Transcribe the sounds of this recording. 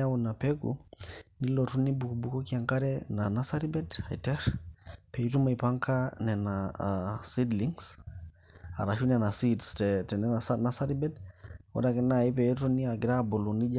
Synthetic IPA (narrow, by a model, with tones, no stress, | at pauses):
a˦wu˨na˨pɛ˦ɡṵni˦lɔ˨tu˦ni˦bu˨ku˨bu˨kɔ˦kia˨ŋka˦ɾɛna˨na˦sa˦ɾi˦bɛ˦da˨ḭ˨tɛ˦ɾpɛ˨i˦tu˦ma˨i˨pa˦ŋka˦nɛ˨na | si˦dli˦ŋs | a̰˨ɾa˨ʃu˦nɛ˨na˨si˦dstɛtɛ˨nɛ˦nasana˦sa˦ɾi˦bɛ˦dɔ̰˦da˨kɛ˦na˦˨i˦p̬ɛ˨ɛ˦tu˦ni˦a˨ɡi˨ɾa˦bo˨lo˨ni˦d͡ʒa